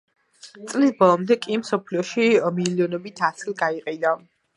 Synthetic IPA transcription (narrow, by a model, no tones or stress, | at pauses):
t̪sʼlisbɔlˠɔmd̪ɛkʼimsɔpʰliɔʃimiliɔnɔbit̪ʰat̪sʰilˠɡaiqʼɛna